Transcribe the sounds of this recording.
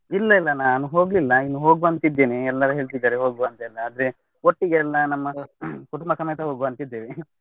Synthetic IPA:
ilːɐilːɐnaːnuɦo̞ːɡlilːɐinːuɦo̞ːɡuɐnt̪id̪ːeːniɛlːɐɾuɦe̞ːɭt̪̬id̪ːaːɾeɦo̞ːɡuɐnt̪ɐɛlːɐaːd̪ɐɾe | oʈːiɡeːlːɐnɐmːɐkuʈumbɐsɐmːɛjt̪ɐɦoːɡuɐnt̪id̪ːeːʋi

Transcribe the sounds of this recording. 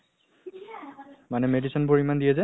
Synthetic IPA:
manɛmedisɔnbɔɹimandiɛzɛ

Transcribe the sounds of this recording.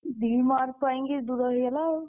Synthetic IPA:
d̪imaɾpaiŋɡed̪uɾəɦɡela

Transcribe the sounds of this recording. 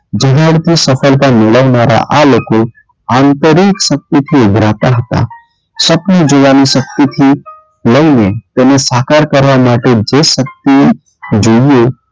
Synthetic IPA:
d͡ʒəɦaɽt̪isəpʰəlkamɪɽəʋnaɾa̰ʔaloko | ãːnt̪əɾiksək̚t̪it̪ʰiʊɡɾat̪aɦət̪a̰ | səpnod͡ʒoʋanisək̚t̪it̪ʰi | ləɪnet̪enesaːkaɾkəɾʋamaʈed͡ʒesək̚t̪i | d͡ʒojo

